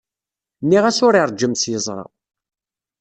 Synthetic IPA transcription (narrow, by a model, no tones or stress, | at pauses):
nːiʁæsʊɾiɾˤd͡ʒːəmsjəzˤɾˤɑ̰